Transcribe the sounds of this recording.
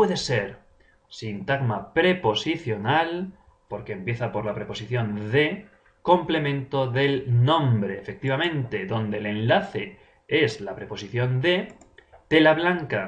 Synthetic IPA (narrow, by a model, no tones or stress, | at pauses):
weðese̞ɾ | sint̪aɣmapɾe̞posiθjo̞nal | po̞ɾke̞ːmpje̞θapo̞ɾlapɾe̞po̞siθjo̞nðe̞ | kõ̞mple̞mẽnt̪o̞ðe̞lnõ̞mbɾe̞ːfe̞k̚t̪iβ̞amẽ̞nt̪e̞ðo̞nd̪e̞le̞nlaθe̞ | e̞zlapɾe̞po̞siθjõ̞nd̪e̞t̪e̞laβlaŋka